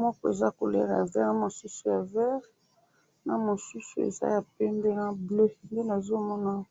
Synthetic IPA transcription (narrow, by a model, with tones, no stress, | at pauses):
mɔ˦kɔ˦e˨za˦ko˨lɛ̰˦ʁja˨vɛ˦ʁna˦˨mo˨su˦su˦ja˨vɛ˦ʁ | na˨mo˨su˦su˦ḛ˨za̰˦ja˨pɛ˦mbe˦na˦ble˦nde˦na˨zo˦mɔ˦na˦˨˦